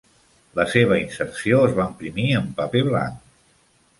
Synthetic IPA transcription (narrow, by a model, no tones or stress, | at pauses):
ləseβ̞əinsərsioəzβaəmpɾimiəmpəpeβla̰ŋk